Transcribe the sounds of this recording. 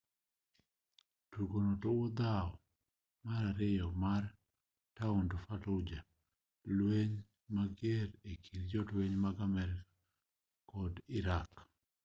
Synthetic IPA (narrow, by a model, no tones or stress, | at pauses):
tuɡonotoʊd̪aɔ | maɾaɾɪjɔmar | taundofalɔd͡ʒa | lweɲ | maɡeɾekʰiɾd͡ʒɔtweɲmaɡamɛɾɪkḁ | kɔdɪɾak